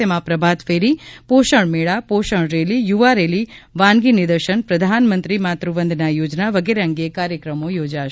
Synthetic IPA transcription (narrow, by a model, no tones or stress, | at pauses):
emãpɾəbʱat̪feɾipoʃəɳmeɭapoʃəɳ̃ɾelijuʋaɾeliʋãnɡinɪd̪əɾʃənpɾəd̪ʱanmənt̪ɾimat̪ɾuʋənd̪ʱnajod͡ʒnaʋəɡeɾeəŋɡiekaɾjəkɾəmojod͡ʒaʃ